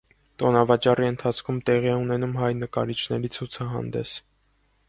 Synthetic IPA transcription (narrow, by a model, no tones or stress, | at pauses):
t̪ɔnɑvɑt͡ʃɑriənt̪ʰɑt͡sʰkʰumt̪ɛʁiɛunɛnumɦɑjnəkɑ̰ɾit͡ʃʰnɛɾit͡sʰut͡sʰɑɦɑ̰nd̪ɛ̰s